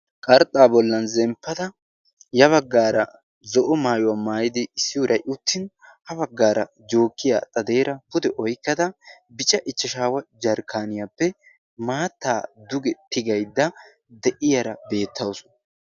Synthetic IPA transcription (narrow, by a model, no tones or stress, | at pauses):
kʼɐɾt̪ʼːaːbɔlːɐnzɛmpːɐd̪ɐ | jɐβɐɡːaːɾɐ | zɔʔɔmaːjʊwamaːjɪd̪ɪːsːɪwʊɾɐjʔʊt̪ːɪn | hɐbɐɡːaːɾɐ | d͡ʒo̞ːkːɪja̰ːt̪ʼɐd̪e̞ːɾɐpʊd̪ɛʔɔjkːɐd̪ɐ | bɪt͡ʃʼɐʔɪt͡ʃːɐʃaːwɐd͡ʒɐɾkʰaːnɪjapːɛ | maːt̪ːaːd̪ʊɡɛt̪ɪɡɐjd̪ːɐ | d̪ɛʔɪjɐɾɐbe̞ːt̪ːɐwsʊnɐ